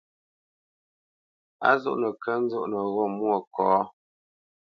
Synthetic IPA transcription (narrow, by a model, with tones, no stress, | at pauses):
a̰˦zo̰˦ʔnə˨kə˦n̩˦zo˦ʔnə˨ɣɔ˦˨mwɔ˦˨kʰɔː˨˦